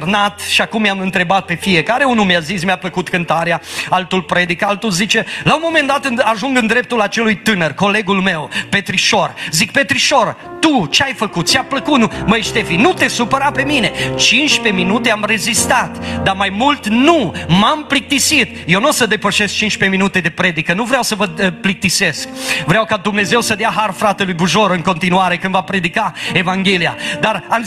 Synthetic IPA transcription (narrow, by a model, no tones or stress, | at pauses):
rnat̪ʃiakumːjamɨnt̪ɾe̞bat̪̚pe̞fie̞kaɾe̞unumeazismeapləkut̪kɨnt̪aɾeaalt̪ulpɾe̞d̪ikalt̪ulzit͡ʃe̞laumo̞me̞nd̪at̪ɨnaʒuŋɡɨnd̪ɾe̞p̚t̪ulat͡ʃe̞lujt̪ɨnərko̞le̞ɡulme̞wpe̞t̪ɾiʃo̞rzik̚pe̞t̪ɾiʃo̞ɾ | t̪ut͡ʃeajfəkut̪̚t͡ʃeapləkut̪numəjʃt̪e̞finut̪e̞supəɾape̞mine̞t͡ʃinʃpe̞minut̪eamre̞zist̪at̪d̪amajmult̪numamplik̚t̪isit̪jewnosəd̪e̞pəʃesk̚t͡ʃinʃpeminut̪e̞d̪e̞pɾe̞d̪ikənuvɾeawsəvəplik̚t̪ise̞sk̚vɾeawkad̪umne̞ze̞wsəd̪eaɦarfɾat̪e̞lujbuʒo̞ɾɨŋko̞nt̪inuaɾekɨnd̪vapɾe̞d̪ikae̞vaŋɡʲelia̰d̪aram